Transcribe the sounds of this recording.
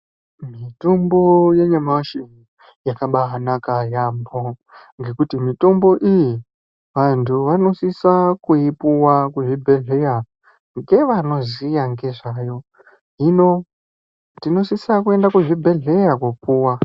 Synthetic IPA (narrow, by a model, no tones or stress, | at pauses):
mitombo̞je̞ɲamaʃini | jakaɓaɦanakajambo̞ŋɡe̞kutimito̞mbo̞ʔiji | ʋantʰuʋano̞sisakuipuwakuʐibʱe̞ɮe̞ja | ŋɡe̞ʋano̞zijaŋɡe̞ʐajo̞ | ɦino | tino̞sisakue̞ndakuʐibʱe̞ɮe̞jakwupuːwa